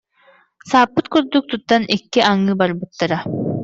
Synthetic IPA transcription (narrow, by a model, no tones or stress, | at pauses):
saːpːɯt̪̚kuɾd̪uk̚t̪ʰut̪ːanʔekːiʔaŋːɯbaɾbɯt̪ːaɾa